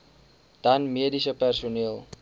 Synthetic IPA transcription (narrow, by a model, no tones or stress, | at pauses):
d̥ɐnmiədisəpærsuniəlˠ